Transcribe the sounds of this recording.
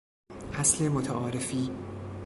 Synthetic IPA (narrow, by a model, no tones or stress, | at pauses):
ʔæslemot̪ʰæʔɒːɾefiː